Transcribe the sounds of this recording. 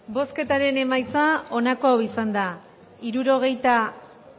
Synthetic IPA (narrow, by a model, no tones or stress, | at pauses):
bo̞ske̞t̪aɾe̞ne̞majt͡sao̞nako̞awisand̪a | iɾuɾo̞ɣ̞e̞jt̪a